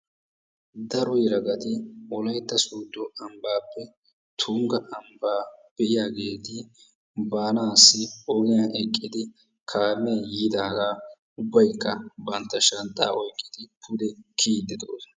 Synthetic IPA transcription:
d̪ɐɾɔjɾɐɡɐt̪ɪɔlɐjt̪ːɐsuːd̪ːɔʔɐmbaːpːɛ | t̪ʰʊŋɡɐʔɐmbaːb̥ɛʔɪjaːɡe̞ːt̪ɪ | baːnaːsːɪɔɡɪjaːʔɛkʼːɪd̪ɪ | kʰaːmɛjiːd̪aːɡaː | ʊbːɐjkːɐbɐnt̪ːɐʃɐnt̪ʼːaːʔɔjkʼːɪd̪ɪpʰʊd̪ɛkʰiːd̪ɪd̪o̰ːs

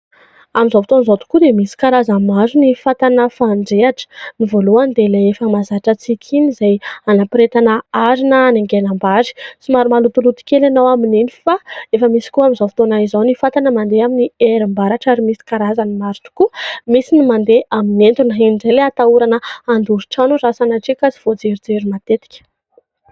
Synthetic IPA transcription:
amizovit̪onzot̪u̥kud̪emisi̥kaɾazamazunifat̪anəfaɳɖ͡ʐeaʈ͡ʂə̥nivoluand̪eleefəmazaʈ͡ʂat͡sikʲʰinizajanapɾet̪anaaɾinəːneŋɡenambaɾi̥t͡simaɾumalut̪ulut̪u̥kʲelanawamininifaefəmisi̥kuamizofi̥t̪onaizanifat̪anəmand̪eaminieɾimbaɾaʈ͡ʂaɾimisi̥kaɾazanimaɾut̪u̥kumisinimand̪eaminent̪unəɦinɳɖ͡ʐeleat̪auɾanəand̪uɾi̥ʈ͡ʂanuɾasanaʈ͡ʂikat͡si̥v̥od͡zeɾid͡zeɾimat̪et̪i̥kʲə̥

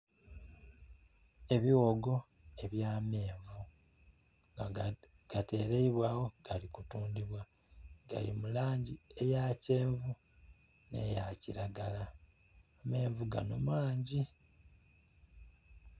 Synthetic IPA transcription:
e̞βiwoɡo̞ | e̞βjaːme̞ːɱvu | ɡ̥ate̞ɾeiβwaːwo̞ɡ̥alikutuːndiβwa | ɡa̰lḭmulaːɲɟie̞jace̞ːɱvu | ne̞̰jaciɾaɡalaː | me̞ːɱvuɡa̰no̰mwaːɲɟi

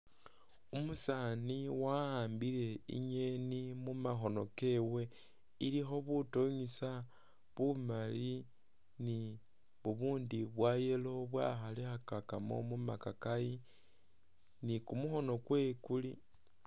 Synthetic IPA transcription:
umusaniwaaːmbileḭɲe̞nimumaxo̞no̞ke̞we̞ | ilixo̞βutoɲisa | βumali | ni | βuβuːndiβwaje̞lo̞βwa̰xalexakakamo̞̰mumakakaji | nikumuxo̞no̞kwe̞ːkuli

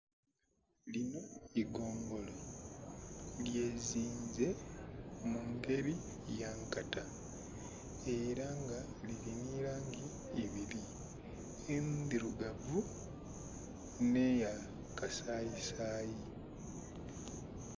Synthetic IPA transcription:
lino̞iɡoːŋɡo̞lo | lje̞ːziːɲze̞ | muŋɡe̞ɾi | jaŋkata | eɾaŋɡa | liliniːɾaːŋɡiː | βili | endiɾuɡavu | ne̞ja | kasaːjisaːji

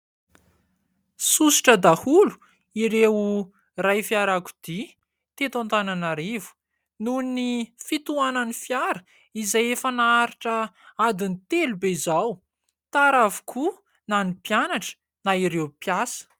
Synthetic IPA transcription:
susi̥ʈ͡ʂəd̪ahulu̥ | iɾewu | rajfjaɾaku̥d̪̥i | t̪et̪ant̪ananaɾivu̥ | nunifit̪uanənifjaɾə̥ | izajefənaaɾiʈ͡ʂəad̪init̪elubeizaw | t̪aɾavu̥kʰu | nanipjanaʈ͡ʂə̥ | naiɾewpjasə̥

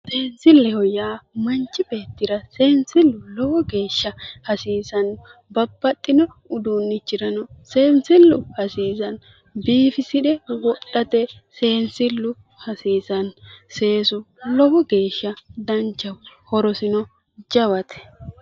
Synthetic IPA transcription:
se̞ːnsɪlːɛhɔjaːmɐnt͡ʃːɪbe̞ːt̪ːɪɾɐse̞ːnsɪlːʊlɔwɔɡe̞ːʃːɐhɐsiːsɐn | bɐbːɐt̪ʼːɪnɔ | ʊd̪uːnːɪt͡ʃːɪɾɐnɔse̞ːnsɪlːʊhɐsiːzɐn | biːfɪsɪᶑɛwɔɗːɐt̪ɛse̞ːnsɪlːʊ | hɐsiːzɐnse̞ːsʊ | lɔwɔɡe̞ːʃːɐd̪ɐnt͡ʃːɐwhɔɾɔsɪnɔ | d͡ʒɐwɐt̪ɛ̥

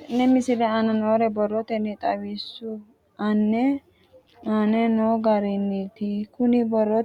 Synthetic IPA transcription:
nɛmɪsɪɾɛɐnɐnoːɾɛbɔrːɔt̪ɛnɛt̪ʼɐwisːu | ɐnːɛ | ɐnɛnoːɡɐɾɛnːit̪ɪkʊnɪbɔrːɔ

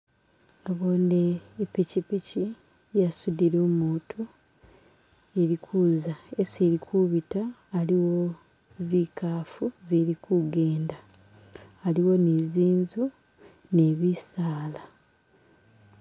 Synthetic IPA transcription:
aβondeːpicipici | jasudiɾoːmuːtʰu | e̞ɾikʰuːzaesiɾikʰuβitaːliwo̞ | zikaːfuziɾikuɡe̞ːndaː | liwo̞neziːnzu | ne̞βisaːla

